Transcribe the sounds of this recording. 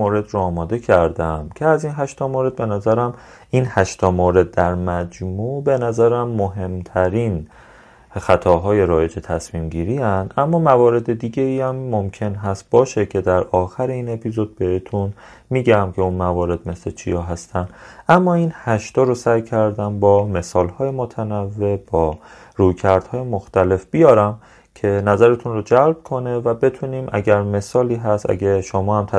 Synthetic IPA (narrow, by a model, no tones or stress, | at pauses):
oɾe̞d̪ɾoɒːmɒːd̪e̞cʰæɾd̪æmcʲʰe̞æziːnɦæʃt̪ɒːmoɾe̞d̪̚be̞næzæɾæm | inhæʃt̪ʰɒːmoɾe̞d̪̚ːæɾmæd͡ʒmube̞næzæɾæmːoɦe̞mt̪ʰæɾin | xæt̪ʰɒːɦɒːje̞ɾɒːje̞d͡ʒe̞t̪ʰæsmiːmɟiːɾiænd̪ʔæmːɒːmævɒːɾe̞d̪e̞d̪iːɟe̞iːæmːomcʰe̞nɦæst̪̚bɒːʃecʰe̞d̪æɾɒːxæɾeiːne̞pʰizo̞d̪̚be̞het̪ʰun | miːɟæmcʰe̞unmævɒːɾe̞d̪̚me̞slet͡ʃʰḭjɒːɦæst̪ʰænd̪ʔæmːɒːiːnhæʃt̪ɒːɾosæjcʰæɾd̪æmbɒːme̞sɒːlhɒːjemot̪ʰænævːe̞b̥ɒː | ɾujcʰæɾd̪̥hɒːjemo̞xt̪æle̞fb̥ijɒːɾæm | cʰe̞næzæɾe̞t̪ʰunrod͡ʒælb̥̚kʰo̞nevæbe̞t̪ʰuniːmʔæ̰ɟæɾme̞sɒːliːɦæst̪æ̰ɟeʃomɒːhæmt̪ʰ